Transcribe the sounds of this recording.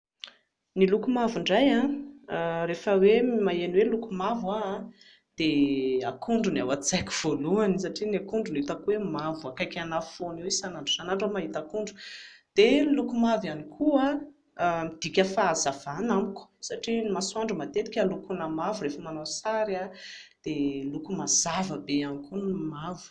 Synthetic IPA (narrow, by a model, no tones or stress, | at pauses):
nilukumavuɳɖ͡ʐajã | refəwemaeniwelukumavwa | d̪̥eakuɳɖ͡ʐunawat͡sakʲuv̥oluanis̬aʈ͡ʂinakuɳɖ͡ʐunit̪akwemavuakajkʲanafoniwisanaɳɖ͡ʐusanaɳɖ͡ʐamaɦit̪akuɳɖ͡ʐu̥d̪̥elukumavjanikʰua | mid̪̥ikʲəfaːzav̥anamiku̥saʈ͡ʂinmasuaɳɖ͡ʐumat̪et̪i̥kʲalukunamavuɾefəmanasaɾad̪̥elukumaz̥avəbeamikunmavu̥